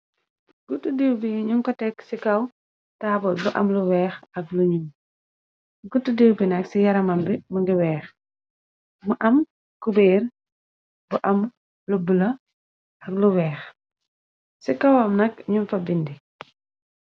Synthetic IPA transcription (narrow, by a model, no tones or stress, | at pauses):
ɡutːudeːwbiɲuŋkɔtɛksikɐw | taːbɔt̚buʔɐ̰mluwɛːxɐk̚luɲum | ɡutːudeːwbinɐksijɐɾɐmɐmbimuɡiwɛːx | muʔɐm | kubeːr | buʔɐm | lubulɐ | ʔɐk̚luwɛːx | sikɐwɐmnɐkɲunfɐbindi